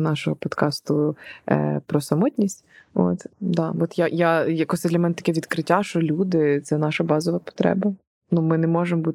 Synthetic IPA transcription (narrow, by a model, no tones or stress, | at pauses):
nɑʃɔɦɔpɔd̪kɑst̪ʊ̰ | pɾɔsɐmɔtʲnʲisʲtʲo̰t̪d̪ɑɔt̪jajajɐkɔsʲɛd̪lʲɐmɛnɛt̪ɐ̥kʲɛʋʲid̪kɾɪtʲːaʃt͡ʃɔlʲud̪ɪt̪sɛnɑʃɐbɑzɔʋɐpɔ̥t̪ɾɛ̰bɐ | numɪnɛmɔʒembut̪